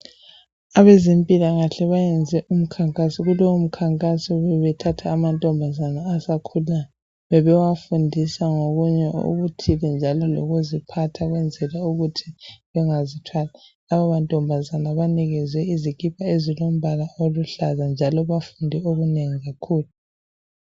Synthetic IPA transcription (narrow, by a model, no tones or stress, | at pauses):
aβezempʼilaɣaɬɛβajɛnd͡zʱɛʔum̩kʰaŋkʼasiɣuloum̩kʰaŋkʼasɔβɛβɛtʰatʰaːmantʼɔmbʱazanaːsakʰulan | βɛβɛwafundʱisaŋoɣuɲɛṵɣutʰilɛnd͡ʒʱalɔlo̰ɣuzipʰatʰaɣwɛnd͡zʱɛlauɣutʰiβɛŋazitʰwalalaβaβantʼɔmbʱazanaβaniɣɛzwɛizikʼipʰaezilom̩βalaoluɬazand͡ʒʱalɔβafundʱɛoβuneŋiɣakʰuːlu